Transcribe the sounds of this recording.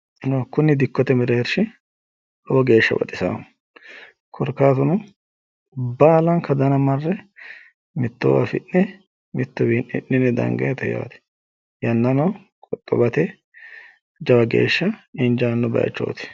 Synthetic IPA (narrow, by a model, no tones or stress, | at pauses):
nokʊnːɪd̪ɪkːɔt̪ɛmɪɾɛɛɾʃɪ | ɔwɔɡe̞ːʃːɐbɐ̰t̪ʼɪsɐ̰ | kʰɔɾkːaːt̪ʊnʊ | baːlɐnkʰɐd̪ɐnɐmɐrːɛ | mɪt̪ːɔ̰wɐ̰fɪnːɛ | mɪt̪ːɔbinːɪ̰ʔːɪnːɛd̪ɐ̰ŋɡɐjt̪ɛja̰ːt̪ɛ̥ | jɐnːɐnɐw | kʼɔt̪ʼːɔ̰bɐt̪ɛ | d͡ʒɐwɐɡe̞̰ːʃːɐɪnd͡ʒaːnːɔbɐ̰j̰t͡ʃːo̰ːt̪ɪ̥